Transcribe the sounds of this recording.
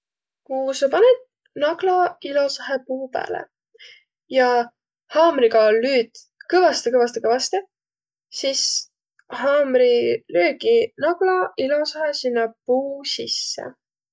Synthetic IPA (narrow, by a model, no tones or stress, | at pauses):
kusɑpɑned̪̥̚ | nɑɡlɑilo̞sɑɦepuːpæ̰ːlḛ | jɑ | hɑːmriɡɑlyːd̪̥ | kɤvɑst̪ekɤvɑst̪ekɤvɑst̪e | sis | hɑːmɾiløːɡinɑɡ̥lɑilo̞sɑɦesinːɑpuːsisːḛ